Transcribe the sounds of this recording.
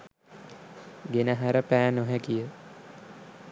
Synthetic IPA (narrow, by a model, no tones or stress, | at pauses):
ɡenəɦæɾəpæːnoɦækijə